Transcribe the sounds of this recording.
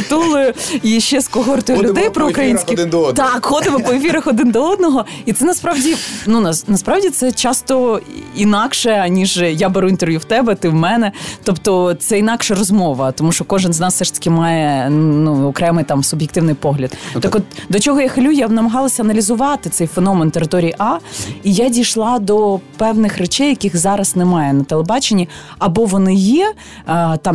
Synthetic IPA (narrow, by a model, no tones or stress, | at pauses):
t̪ulˠʊjʊiʃːɛskɔɦɔrt̪ɔjʊlʲʊd̪ɛjpɾɔʊkɾɐjinsʲkɪt̪ɑkxɔd̪ɪmɔpɔefʲiɾɐxɔd̪ɪnd̪ɔɔd̪̚nɔɦɔ | it̪sɛnɐspɾɑʋdʲinunɐnɐspɾɑʋdʲit̪sɛt͡ʃɑst̪ɔinɑkʃɛɐnʲiʒjabeɾuint̪eɾʋʲjuwt̪ɛbɛt̪ɪwmɛnɛt̪ɔpt̪ɔt̪sɛinɑkʃɛrɔzmɔʋɐt̪ɔmuʃt͡ʃɔkɔʒɪnznɑsfsɛʂt̪ɐ̥kʲɪmɑjɛnuɔkɾɛmɪjt̪ɑmsʊbʲjekt̪ɪʋnɪjpɔɦlʲɐd̪t̪ɪkɔt̪d̪ɔt͡ʃɔɦɔjaxɐlʲujaʋnɐmɐɦɑlˠɐsʲɐɐnɐlʲizʊʋɑt̪ɪt̪sɛjfenɔment̪eɾɪt̪ɔɾʲijiʔɑijadʲijʃlˠɑd̪ɔpɛwnɪxret͡ʃɛjːɐkʲixzɑɾɐsnɛmɑjɛnɐt̪elˠebɑt͡ʃenʲːi | ɐbɔʋɔnɪjɛ | t̪ɑm